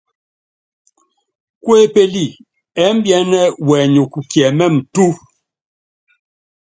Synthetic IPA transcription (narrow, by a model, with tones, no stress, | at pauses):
kwe˦pe˦li˦˨ | ɛ˨˦m̩˦bjɛ˨˦nɛ˦wɛ˨ɲu˨ku˨kɛ˨mɛ˦˨m̩˨tu˦